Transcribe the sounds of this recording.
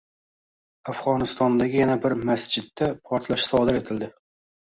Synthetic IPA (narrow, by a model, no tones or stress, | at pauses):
afʁɒnɪst̪ɒnd̪aɡʲɪjanabɪɾmasd͡ʒɪd̪ːapʰɒɾt̪ʰlaʃsɒd̪ɪɾe̞t̪ʰɪld̪ɪ